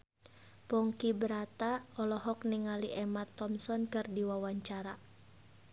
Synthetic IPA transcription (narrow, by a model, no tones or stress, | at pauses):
pɔŋkibəɾat̪aɔlɔɦɔk̚niŋaliʔɛmat̪ːɔmsɔnkɨrdiwawaɲt͡ʃaɾa